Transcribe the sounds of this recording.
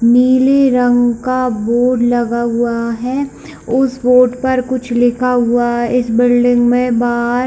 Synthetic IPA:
miːleɾɐ̃ŋɡkaboːʈɖlɐɡaɦʊaɦɛː | ʊsboːʈpɐɾkʊt͡ʃʰlɪkʰaɦʊaɦɪsbɪlɖɪ̃ŋɡmẽbaːɾ

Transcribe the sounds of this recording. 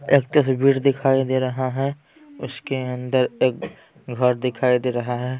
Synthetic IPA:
eːkt̪esbʱiːɾd̪ɪkʰaːid̪eɾɐɦaɦɛ | ʊskeɐ̃nd̪əɾeːk | ɡʱəɾd̪ɪkʰaːid̪eːɾɐɦaɦɛ

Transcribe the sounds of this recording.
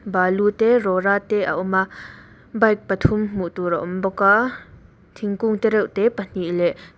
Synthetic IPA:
baːlut̪ɛrɔɾaːt̪ɛʔa̰ʔɔma | bɐjk̚pɐt̪ʰʊmm̥uʔt̪uɾaʔɔmbɔka | t̪ʰiŋkuŋt̪ɛɾɛwʔt̪ɛpən̥iʔlɛʔ

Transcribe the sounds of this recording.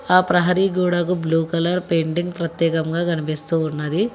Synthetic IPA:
aːpɾɐɦɐɾiɡuːɽɐkubluːkɐlɐɾpeːɳɖiŋɡpɾɐt̪jɛːkɐŋɡaːɡɐnipist̪uːnːɐd̪i

